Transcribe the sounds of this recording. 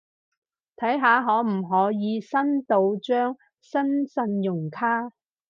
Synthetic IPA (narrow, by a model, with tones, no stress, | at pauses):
t̪ʰɐ˨˥jɦaː˨˧ɦɔː˨˥m̩˨˩ɦɔː˨˥jiː˨˧sɐ˥nt̪o˨˧wt͡ʃœː˥ŋ | sɐ˥nsɐ˧njʊ˨˩ŋkʰaː˥